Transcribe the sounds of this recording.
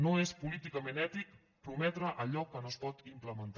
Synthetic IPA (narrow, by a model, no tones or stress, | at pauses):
noespulit̪ikəmenɛt̪ik̚ | pɾumɛt̪ɾəʔəʎɔkːənospɔt̪impləmənt̪